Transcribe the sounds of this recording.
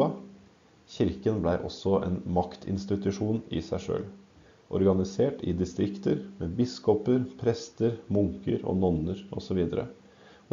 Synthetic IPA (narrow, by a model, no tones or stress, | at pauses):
ɑ | çɪɾkənblæɪʔɔsːɔʔḛːnmɑkt̪ʰɪ̰nst̪ɪt̪ʉʂuːnɪ̰sæɪʂø̰ːl | ʔɔ̰ɾɡɑnɪseːʈɪ̰d̪ɪst̪ɾɪkt̪əɾmeːbɪskɔpəɾpʰɾɛst̪əɾmʊŋkəɾɔ̰nɔnəɾʔɔ̰sɔʋiːd̪əɾə̰